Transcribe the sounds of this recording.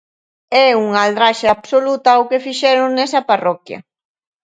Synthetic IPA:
ɛuŋald̪ɾaʃaːβsolut̪awkefiʃɛɾʊŋnɛsɐparɔkjɐ̰

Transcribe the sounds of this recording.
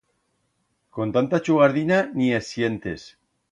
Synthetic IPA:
kont̪ant̪at͡ʃuɣaɾðinaniesjent̪es

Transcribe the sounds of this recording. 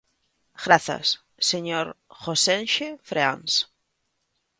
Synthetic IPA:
ɣ̥ɾaθa̰sː | eɲoɾxosenʃefɾeans

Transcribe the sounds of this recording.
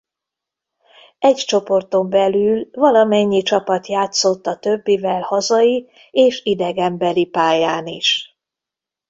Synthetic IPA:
ɛct͡ʃo̞po̞rt̪o̞mbɛlylvɒlɒmɛɲːit͡ʃɒpɒt̪jaːt̪so̞t̪ːɒt̪ø̞bːivɛlhɒzɒi | eːʃid̪ɛɡɛmbɛlipaːjaːniʃ

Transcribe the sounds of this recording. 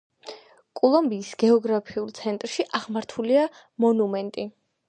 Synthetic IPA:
kʼɔlˠɔmbiːsɡ̥ɛɔɡɾapʰiulˠt̪sʰɛnt̪ʼɾʃiʔaʁmaɾt̪ʰulia | mɔnumɛnt̪ʼi

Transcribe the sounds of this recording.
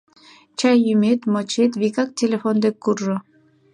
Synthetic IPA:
t͡ɕɑjjymet̪mɤt͡ɕet̪βikɑk̚tʲelʲefond̪ekːurʒŏ

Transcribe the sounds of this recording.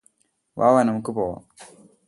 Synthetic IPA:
ʋa̰ːʋanɐmukːɨpoːʋa̰m

